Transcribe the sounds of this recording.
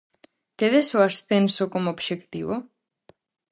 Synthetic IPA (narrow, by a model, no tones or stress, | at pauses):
keðesoasθensokomoobʃekt̪iβo